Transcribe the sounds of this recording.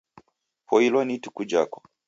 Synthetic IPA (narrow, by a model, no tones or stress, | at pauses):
pʰɔilwɔnitukud͡ʒa̰kɔ̥